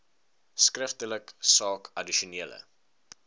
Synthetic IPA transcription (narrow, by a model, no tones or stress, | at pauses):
skrəftələksɑːkʰɐdiʃuniələ̰